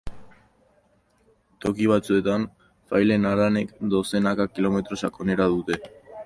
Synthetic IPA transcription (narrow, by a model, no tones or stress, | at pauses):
t̪o̞kiβ̞at͡sue̞t̪an | fajle̞naɾane̞kd̪o̞se̞nakakilo̞me̞t̪ɾo̞sako̞ne̞ɾaðut̪e̞